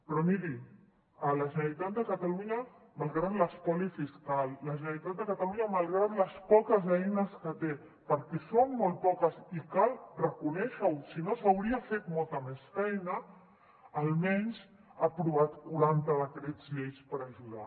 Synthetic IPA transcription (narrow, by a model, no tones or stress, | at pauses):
pɾɔmiɾi | ələʒənəɾit̪at̪̚d̪əkat̪aluɲɐ | malˠɣɾad̪ləskɔlifiskalːəʒənəɾit̪at̪̚d̪əkat̪aluɲamalˠɣɾat̪ləspɔkəzɛjnəskət̪e | pəɾkɛsonmolˠt̪̚pɔkəsikalrəkunɛʃəwsinosawɾiafet̪mɔlˠt̪əmɛsfɛjnəː | lmɛɲz | apɾuβat̪kuɾant̪əðət̪ɾɛzʎejspəɾaʒuða̰